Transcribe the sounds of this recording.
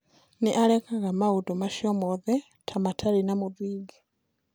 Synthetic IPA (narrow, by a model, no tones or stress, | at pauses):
niʔalekaɣamaudomaʃjomoðe | tʰamatʰalinamuðiːɡe